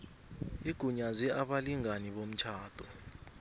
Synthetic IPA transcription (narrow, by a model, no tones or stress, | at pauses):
iɡ̥ʱuɲaziaɓaliŋaniɓom̩t͡ʃʰaːd̥ʱɔ